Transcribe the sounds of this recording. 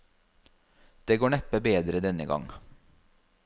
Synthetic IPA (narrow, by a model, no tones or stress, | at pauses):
d̪̥eːɡoːɳɛpəbeːd̪ɾəd̪ɛnəɡɑ̰ŋ